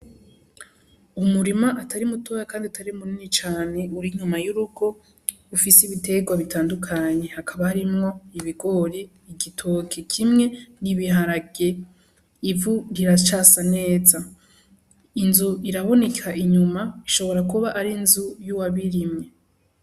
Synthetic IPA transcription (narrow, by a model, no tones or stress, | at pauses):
umuɾimaʔatʰaɾimuto̞ːjakaːndiataɾimuninit͡ʃaːne̞uɾiɲumajuɾuɡo̞ | ufisiβite̞ɡwaβitaːndukʰaɲe̞hakʰaβahaɾimŋo̞iβiɡo̞ɾiː | ɡitʰokʰekʰimŋe̞niβiɦaɾaɡ̥e | ivuɾiɾat͡ʃasane̞ːza | inzuiɾaβo̞ne̞kʰaʔiɲumaiʃo̞βo̞ɾakuβaʔaɾinzujuwaβiɾimŋe̞